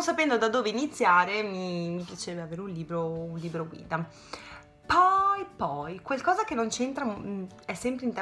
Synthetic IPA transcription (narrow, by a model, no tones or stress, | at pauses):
sapɛnd̪od̪ad̪ːoːveinit̪sːjaːɾemimipjat͡ʃːveaveːɾeunliːbɾounliːbɾoɡwḭːd̪a | pɔjpɔjkwelkɔːzakenːont͡ʃent̪ɾam | ɛsːɛmpɾeint̪ɛ